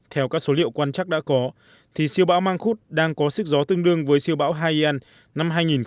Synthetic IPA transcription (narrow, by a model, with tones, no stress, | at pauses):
t̪ʰɛ˧wkaː˦˥k̚so˨˦lḭ˧˨wkwaː˧nt͡ɕaː˦˥k̚ɗa̰ː˧˥kɔ˨˦ | t̪ʰi˨˩si˧əwɓa̰ː˧˥wmaː˧ŋxu˦˥t̚ɗaː˧ŋkɔ˨˦sɨ˦˥k̚zɔ˨˦t̪ɨ˧əŋɗɨ˧əŋvəː˨˦jsi˧əwɓa̰ː˧˥wɦaː˧ji˧ʔɛ˧n | na˧mɦaː˧jŋi˨˩n